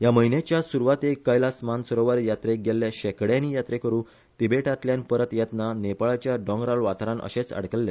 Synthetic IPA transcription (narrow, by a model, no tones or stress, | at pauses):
jaməɦinjet͡ɕjasuɾʋat̪ekːəjlasmansəɾoʋəɾjat̪ɾeɡelːeɕɛkɽjãnijat̪ɾekəɾũː | t̪ibeʈat̪ljanpəɾət̪jɛt̪nanepaɭat͡ɕjaɖɔ̃ŋɡɾalʋat̪ɾãnʔə̰ɕet͡sə̰ɽkəlːe